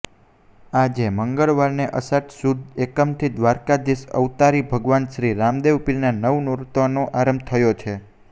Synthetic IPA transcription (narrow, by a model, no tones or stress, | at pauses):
ad͡ʒeməŋɡəɭʋaɾneʔəsaʈsud̪ʱekəmt̪ʰid̪ʋaɾkad̪isə̰ʋt̪aɾibʱəɡʋanʃɾiɾamd̪eʋpilnanəʋnoɾt̪anoʔaɾəmbt̪ʰəjot͡ʃʰe